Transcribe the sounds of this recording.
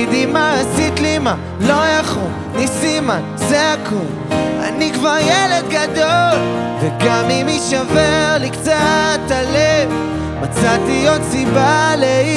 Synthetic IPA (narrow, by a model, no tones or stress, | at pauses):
d̪imaasit̪lima | loeχu | nisimanzeakʰum | a̰nikvaʁjeled̪ɡad̪ol | veɡamimiʃaveʁlikt͡sat̪alev | mat͡sat̪ijot̪sibalei